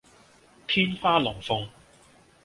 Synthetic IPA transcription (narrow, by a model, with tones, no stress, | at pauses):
t̪ʰiː˥nfaː˥lɔː˨˩ŋfʊ˧ŋ